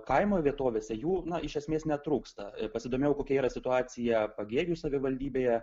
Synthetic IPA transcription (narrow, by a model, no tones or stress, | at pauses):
kɐɪmoːʋʲiɛt̪oːʋʲeːsʲɛjuːnɐɪʃʲɛsʲmʲeːsnʲɛt̪ɾuːkst̪ɐpɐsʲɪd̪oːmʲeɛjɛʊkoːkʲɛiːɾɐsʲɪt̪ʊɑːsʲɪjɛpɐɡʲeːɡʲɪjusɐʋʲɪʋɐlʲd̪ʲiːbʲeːjɛ